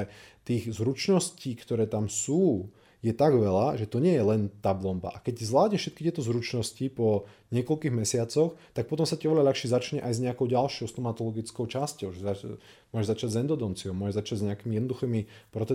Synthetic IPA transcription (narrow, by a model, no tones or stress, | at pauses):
ɛt̪iːɣzɾut͡ʃnɔsciːkt̪ɔɾɛːt̪amsuː | jɛt̪aɡʋɛlaʒɛt̪ɔɲɪɛjɛlɛnt̪ablɔmba̰ʔakɛczʋlaːdɲɛʃʃɛt̪kit̪ɪɛt̪ɔzɾut͡ʃnɔscipɔɲɪɛkɔlkiːɣmɛsɪat͡sɔxt̪ak̚pɔt̪ɔmsaciʔɔʋɛʎaʎaxʃizat͡ʃɲɛʔajzɲɛakɔʊɟalʃjɔʊst̪ɔmat̪ɔlɔɡit͡skɔʊt͡ʃascɔʊʒɛamʊɔʒɛʒzat͡ʃaɟzɛnd̪ɔd̪ɔnt͡siɔʊmʊɔʒɛʒzat͡ʃaɟzɲɛakimijɛd̪nɔd̪uxiːmipɾɔt̪